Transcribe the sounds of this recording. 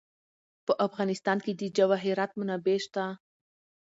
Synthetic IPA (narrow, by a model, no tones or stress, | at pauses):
pəʔafɣɑnɪst̪ɑnked̪əd͡ʒawaɦiɾɑt̪̚munabeʃt̪a